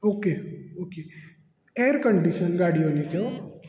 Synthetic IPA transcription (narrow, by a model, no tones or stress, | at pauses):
oːkeoːke | eːɾkəɳɖiʃənɡaːɽijonĩt̪ʰo